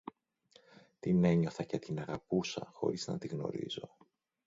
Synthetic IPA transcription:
t̪ine̞ɲo̞θɐcet̪inɐɣɐpusɐ̰xo̞̰ɾiznɐ̰t̪iɣno̞̰ɾḭzo̞

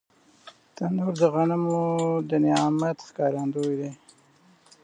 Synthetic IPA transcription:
t̪and̪oɾd̪əɣaɳəmud̪ənɪɑmat̪xkɑɾɑnd̪od̪e

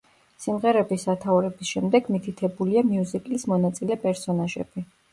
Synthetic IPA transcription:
simʁɛɾɛbisat̪ʰauɾɛbisʃɛmd̪ɛɡmit̪ʰit̪ʰɛbuliamiuzikʼlismɔnat̪sʼilɛpʼɛɾsɔnaʒɛ̰b̥i

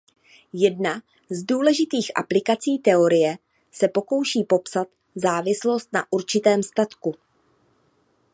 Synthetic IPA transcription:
jɛdna | zduːlɛʒɪt̪iːxʔa̰plɪkat͡siːt̪ɛo̞ɾɪjɛ | sɛpo̞ko̞wʃiːpo̞psat̪ | zaːvɪslo̞st̪na̰ʔuɾt͡ʃɪt̪ɛːmst̪at̪ku

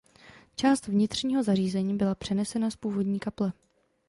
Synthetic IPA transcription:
t͡ʃaːst̪vɲɪt̪r̝̥ɲiːɦo̞zariːzɛɲiːbɪlapr̝̥ɛnɛsɛnaspuːvo̞dɲiːkaplɛ

